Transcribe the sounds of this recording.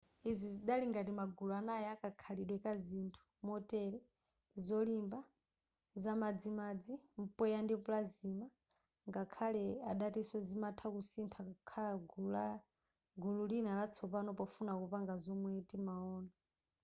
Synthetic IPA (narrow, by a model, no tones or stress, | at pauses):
iziziɗaliŋɡatimaɡuluanajɛakʼakʰaliɗwɛkazintʰu̥mɔtʼɛlɛ | zɔlimba | zamad͡zimad͡zim̩pʼɛjandipulazima | ŋɡakʰalɛaɗatisɔzimatʰakusintʰakkʰalaɡula | ɡululinalat͡sʰɔpanɔpɔfunakupaŋɡazɔmwɛtʼimaɔːna